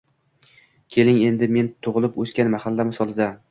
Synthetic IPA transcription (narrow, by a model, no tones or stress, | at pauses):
kʲʰe̞lɪŋe̞nd̪ɪme̞nt̪ʰʊʁlˠɪpɵskʲanmahalːamɪsɒlˠɪd̪a